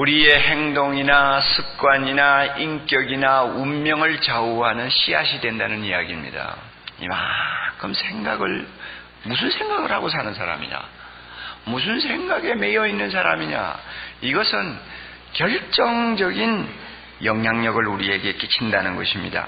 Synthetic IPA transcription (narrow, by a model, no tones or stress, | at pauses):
uɾie̞heŋdoŋinasʰɯk̚k͈waɲinaiŋk͈jʌɡinaumːjʌŋɯɭt͡ɕauɦanɯnɕʰiaɕʰidwe̞ndanɯnijaɡimɲḭda̰ | ḭmakʰɯmsʰeŋɡaɡɯɭ | mus̬ʰɯnsʰeŋɡaɡɯɭhaɡos̬ʰanɯnsʰaɾa̰mḭɲa̰ | mus̬ʰɯnsʰe̞ŋɡaɡe̞me̞jʌinːɯnsʰaɾa̰miɲa̰iɡʌsʰɯn | kjʌɭt͡ɕ͈ʌŋd͡ʑʌɡin | jʌŋjaŋɲʌɡɯɭuɾie̞ɡe̞k͈it͡ɕʰindanɯnɡʌ̰ɕʰimɲḭda̰